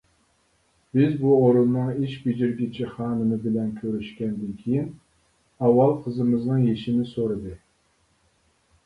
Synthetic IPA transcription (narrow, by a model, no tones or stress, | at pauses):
b̥ɪzbuoɾunːɨŋiʃbid͡ʒiɾɡʲit͡ʃʰɪχɑːnɨmɨbɪlɛnkʲʰøɾyʃkʲɛnd̪ɪnkʲʰejin | ɑwːɑlˠqʰəzɨmɨznɨŋjeʃɪnɪsoɾɨd̪ɨ